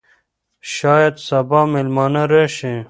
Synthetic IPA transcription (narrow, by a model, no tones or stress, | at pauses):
ɕaːjɐd̪sɐbaːmilmaːnɐɾeɕẽ